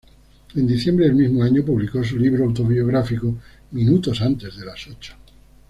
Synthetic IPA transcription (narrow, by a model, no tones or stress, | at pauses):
e̞nd̪iθje̞mbɾeːlmizmoaɲopuβlikos̬uliβɾoawt̪oβioɣ̞ɾafiko | mĩnut̪o̞sant̪e̞zðe̞lasot͡ʃḁ